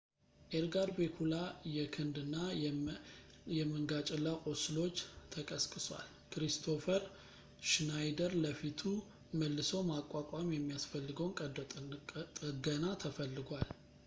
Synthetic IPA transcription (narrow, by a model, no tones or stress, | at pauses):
ʔeɾɡaɾbekʰulajɛkʰɨnd̪ɨnːa | jɛmɨŋɡat͡ʃʼɪlːakʼosɨlo̞t͡ʃːt̪ʰəkʼəskʼɨswa̰l | kɾist̪ʰo̞fəɾ | ʃnajd̪əɾləfit̪ʰu | məlːɨsəwmakʼwakʼamjɛmːijasfəlːɨɡəwnkʼəd̪ʼ | t̪ʼəɡənat̪ʰəfəlːɨɡʷal